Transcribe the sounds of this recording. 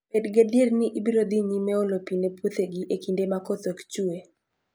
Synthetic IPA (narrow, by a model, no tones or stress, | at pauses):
pedɡedjednɪʔibiɾod̪iɲimɛolopinepwot̪eɡiʔekindemakot̪okt͡ʃue